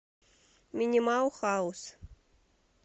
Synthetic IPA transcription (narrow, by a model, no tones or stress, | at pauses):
mʲinʲimawxaus